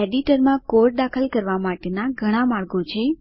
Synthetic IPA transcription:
eɖiʈəɾmãkoɾd̪akʰəlkəɾʋamaʈenaɡʱəɽ̃amaɭɡot͡ʃʰe

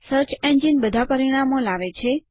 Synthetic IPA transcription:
səɾt͡ʃend͡ʒinbəd̪ʱapəɾiɽ̃amolaʋet͡ʃʰe

